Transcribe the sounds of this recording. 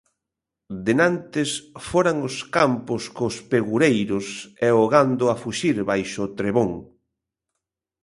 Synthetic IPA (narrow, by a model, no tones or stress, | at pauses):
d̪enant̪ɪsfoɾaŋʊskampʊskospeɣuɾejɾʊsɛoɣand̪ʊafuʃiɾβajʃʊt̪ɾeβoŋ